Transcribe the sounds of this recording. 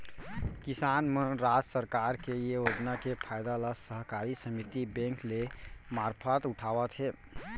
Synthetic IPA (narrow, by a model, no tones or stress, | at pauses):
kisanmeɾad͡ʒsəɾkaɾkeijeod͡ʒnakepʰajd̪aləsəɦkaɾisəmit̪ibɛ̃ŋklemaɾpʰət̪uʈʰaʋət̪ɦe